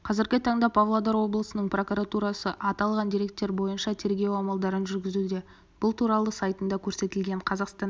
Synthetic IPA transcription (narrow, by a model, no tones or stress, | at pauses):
qʰɑzɪɾɡʲɪt̪ʰɑɴd̪ɑpʰɑvlˠod̪ɑɾwo̞blˠəsənəɴpro̞kuɾat̪uɾɑsəʔɑt̪ɑlˠʁɑnd̪ijɾe̞k̚t̪ːe̞ɾbo̞jənʃɑt̪ʰe̞ɾɡʲe̞wɑmɑlˠd̪ɑɾənʒʏɾɡʲɪzud̪e̞ | b̥ʊlˠt̪ʰuɾɑlˠəsɑjt̪ənd̪ɑkʲʰɵɾse̞t̪ɪlɡʲe̞ɴqʰɑzɑqst̪ɑn